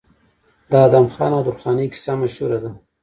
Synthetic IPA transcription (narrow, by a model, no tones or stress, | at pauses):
d̪ɑːd̪amxɑ̰ːnawd̪ʊɾxɑniki̥samaʃhuɾad̪a